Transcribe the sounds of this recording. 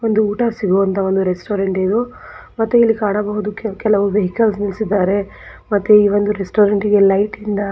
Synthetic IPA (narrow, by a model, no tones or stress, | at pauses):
o̞nd̪uuːʈaːsiɡuːʋɐnt̪ʰɐo̞nd̪uɾesʈoːɾeɳʈid̪u | mɐt̪ːuilːikaːɳɐbɐɦud̪ukɛlɐʋɐʋeɦikɐlsnilsid̪ːaːɾe̞ | mɐt̪ːuiːʋo̞nd̪uɾesʈoːɾeɳʈiɡe̞lɐjʈind̪ɐ